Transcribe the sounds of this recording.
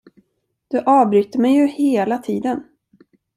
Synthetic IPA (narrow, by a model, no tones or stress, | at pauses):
d̪̥ɵʔɑːvbɾyːt̪ːəmɛjːɵheːlat̪ʰiːd̪ən